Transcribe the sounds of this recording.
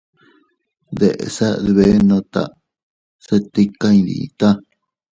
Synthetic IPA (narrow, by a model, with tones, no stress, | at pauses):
ðe˨ʔḛ˨sa˦ðβe˦nõ˧t̪a̰˨ | se˦t̪i˦ka˦ĩ˧d̪ḭ˨ḭ˧t̪a˦